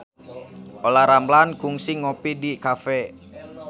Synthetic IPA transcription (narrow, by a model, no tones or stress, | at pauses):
ʔolaɾamlanɡ̥uŋsiŋopidikafɛ